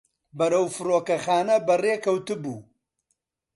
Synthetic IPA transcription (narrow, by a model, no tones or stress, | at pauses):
bɐɾɐwfɨɾoːkɐxaːnɐbɐreːkʰɐwt̪ɨbuː